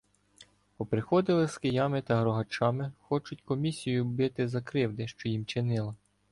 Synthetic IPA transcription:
pɔpɾɪxɔd̪ɪlˠɪskɪjɑmɪt̪ɐɦɾɔɦɐt͡ʃɑmɪxɔt͡ʃʊtʲkɔmʲisʲijʊbɪt̪ɪzɐkɾɪwd̪ɪʃt͡ʃɔjimt͡ʃɪnɪlˠɐ

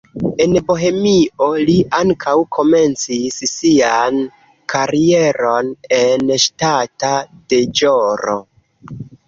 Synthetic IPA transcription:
e̞nbo̞ɦe̞mio̞liʔaŋkʰawkʰo̞me̞nt͡sissian | kʰaɾie̞ɾo̞nenʃtatad̥e̞d͡ʒoɾo̰

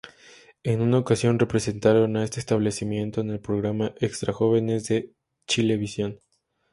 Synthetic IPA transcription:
e̞nunaokasjo̞nre̞pɾe̞se̞nt̪aɾo̞naest̪est̪aβle̞simje̞nt̪o̞ene̞lpɾo̞ɣɾamaʔekst̪ɾaxo̞β̞e̞ne̞zðe̞ | t͡ʃile̞βisjo̞n

